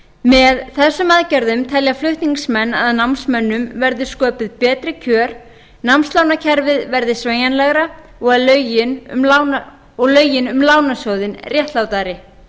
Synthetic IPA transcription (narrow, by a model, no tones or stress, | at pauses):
mɛðθɛsːʏmaðcɛɾðʏmt̪ʰɛljaflʏht̪niŋsmɛnːa̰ðnamsmɛnːʏmvɛɾðɪ̥skœːpʏðpɛːt̪ɾɪcʰœːɾ̥ | namst̪laːwnacʰɛɾvɪðvɛɾðɪsveːjanlɛɣɾa | ɔɣaðlœːɥjɪnʏ̰mlaw | ɔɣlœːɥjɪnʏmlaːwnasjowðɪnrjɛht̪lawt̪aɾɪ